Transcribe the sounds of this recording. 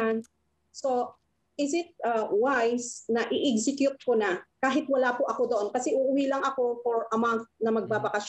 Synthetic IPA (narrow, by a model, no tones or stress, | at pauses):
an | so̞ | ʔɪzɪt̪̚ɐwajsnɐʔɪʔɪɡsɪkjʊt̪̚konɐkaːɦɪt̪̚wɐlaːpʊʔɐko̞d̪oʔo̞nkɐsɛʔʊʔʊwilɐŋɐko̞foɹʔɐmant̪̚nɐmɐɡ̚babɐkɐʃ